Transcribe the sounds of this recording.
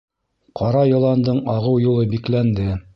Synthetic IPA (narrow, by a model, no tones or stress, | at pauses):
qɑɾɑjɤ̆lˠɑnd̪ɤɴɑʁɤwjulˠɤbiklænd̪ɘ